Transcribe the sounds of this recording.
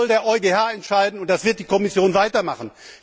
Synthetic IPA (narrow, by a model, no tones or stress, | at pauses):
ldeːɐʔɔʏɡeːhaːɛntʃaɪdn̩ʊnt̚d̥asv̥ɪɐt̚d̥iːkʰɔmɪsjoːnvaɪtɐmaχn̩